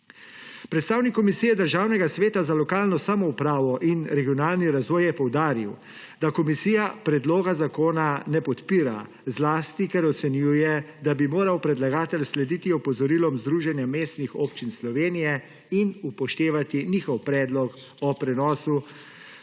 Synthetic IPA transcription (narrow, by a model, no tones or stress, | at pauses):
pɾɛt̪st̪aːwnikːɔmisijɛd̪əɾʒaːwnɛɡasʋeːt̪azalɔkaːlnɔsamɔupɾaːʋɔʔinɾɛɡiɔnaːlniɾazʋɔːjjɛpɔwd̪aːɾiw | d̪akɔmisiːjapɾɛd̪loːɡazakoːnanɛpɔt̪piːɾa̰ | zlaːst̪ikɛɾɔt̪sɛnjuːjɛd̪abimoːɾawpɾɛd̪laɡaːt̪ɛlslɛd̪iːt̪iɔpɔzɔɾilɔmzd̪ɾuːʒɛnjameːst̪nixoːpt͡ʃinslɔʋeːnijɛ | inupɔʃt̪eːʋat̪iniːxɔwpɾɛːd̪lɔk | ɔpɾɛnɔːsu